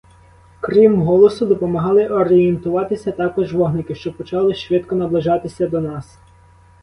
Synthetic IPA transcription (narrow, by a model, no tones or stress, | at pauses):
kɾʲimɦɔlˠɔsʊd̪ɔpɔmɐɦɑlˠɪʔɔɾijent̪ʊʋɑt̪ɪsʲɐt̪ɑkɔʒʋɔɦnɪkɪʃt͡ʃɔbpɔt͡ʃɑlˠɪʃʋɪt̪kɔnɐblˠɪʒɑt̪ɪsʲɐd̪ɔnɑs